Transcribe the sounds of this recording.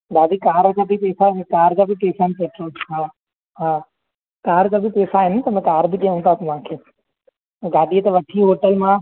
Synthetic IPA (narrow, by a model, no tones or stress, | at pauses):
ɡaːd̪ikaːɾkabʱipeːsãkaːɾd͡ʑaːbʱipeːsaɪnpɐtoɦaː | ɦãː | kaːɾd͡ʑabʱipeːsaɦɪnt̪ɐmɛ̃kaːɾbʱikiãũːnd̪aːsĩmãːkʰeː | ɡaːd̪iet̪ɐʋɐʈʰiɦoːʈəlmã